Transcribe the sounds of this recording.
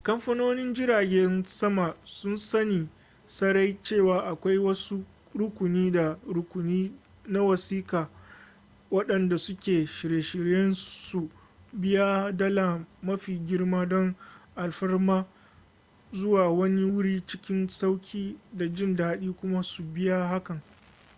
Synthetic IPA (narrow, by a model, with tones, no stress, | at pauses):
kɐ˦mɸɐ˦noː˦nɪ˦nd͡ʒɪ˦ɾaː˨ɡʲɛ˦nsɐ˦ma˨sʊ˦nsɐ˦niː˨ | sɐ˦ɾa˦jt͡ʃeː˦˨waː˨ʔa˨kʷa˦jwɐ˦su˦ | ɽʊ˦kʷʊ˨niː˦da˨ɽʊ˦kʷʊ˨niː˦ | na˦wɐ˨siː˦kaː˨ | wɐ˦ɗɐ˨nda˨sʊ˦kʲeː˨ʃɪ˨ɾjeː˨ʃɪ˨ɾjɛ˦nsu˨ | bɪ˦ja˦dɐ˦la˨mɐ˦ɸiː˨ɡʲɪ˦ɽmaː˦dɔ˦ŋʔa˨lɸɐ˦rmaː˦ | zʊ˦waː˨wɐ˦ni˦wʊ˦ɽiː˦t͡ʃɪ˦kʲɪ˦nsa˦wkʲʰiː˦da˨d͡ʒɪ˦ndaː˦ɗiː˦kʷʊ˦ma˦su˨bɪ˦ja˦ɦa˦kɐ˨ŋ